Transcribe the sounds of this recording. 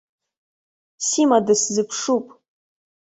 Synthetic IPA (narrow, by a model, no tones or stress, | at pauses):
simadɨszɨpʰʂupʼ